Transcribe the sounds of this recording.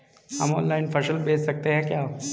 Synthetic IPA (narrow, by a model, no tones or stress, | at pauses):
hɐ̰mɔ̰ːnlaɪnpʰɐʃəlbeːssɐk̚t̪eɦɛ̃kjaː